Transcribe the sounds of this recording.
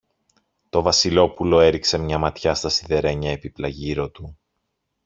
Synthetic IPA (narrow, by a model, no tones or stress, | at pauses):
t̪o̞vɐsilo̞pulo̞e̞ɾikse̞mɲɐmɐt̪çɐst̪ɐsiðe̞ɾe̞ɲɐe̞piplɐʝiɾo̞t̪u